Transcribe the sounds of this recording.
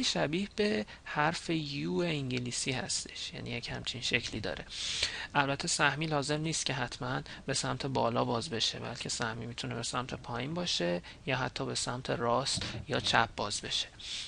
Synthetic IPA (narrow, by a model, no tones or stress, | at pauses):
iʃæbiːhbe̞ | hæɾfe̞juːeiŋɟiliːsiːhæ̰st̪e̞̥ʃjæ̰nḭːjechæmt͡ʃʰinʃe̞cʰliːd̪ɒ̰ːɾe̞ʔælbæt̪ʰːe̞sæhmiːlɒːze̞mniːst̪̚cʲʰe̞ɦæt̪ʰmænbe̞sæmt̪ʰe̞bɒːlɒ̰ːbɒːzbe̞ʃe̞̰bæ̰lcʰe̞sæhmiːmit̪ʰune̞be̞sæmt̪ʰe̞pʰɒːjiːnbɒːʃe̞jɒːɦæt̪ʰːɒːbe̞sæmt̪ʰeɾɒːst̪jɒːt͡ʃʰæ̰p̚bɒːzbe̞ʃe̥